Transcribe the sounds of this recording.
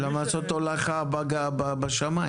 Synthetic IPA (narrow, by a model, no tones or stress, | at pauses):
lamat͡sot̪olaχabaɡababaʃamai